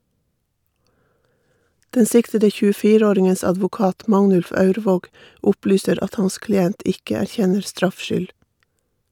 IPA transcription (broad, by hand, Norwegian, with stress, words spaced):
ˈdɛn ˈsɪktədə çʉːəˈfiːɾə ˈoːɾɪŋəns ɑdʋʊˈkɑːt ˈmɑŋnʉlf ˈɑʉɾʋoːɡ ˈʔʊplyːsəɾ ˈɑt ˈhɑns klɪˈɛnt ˈɪkə æɾˈçɛnəɾ ˈstɾɑfʃʏl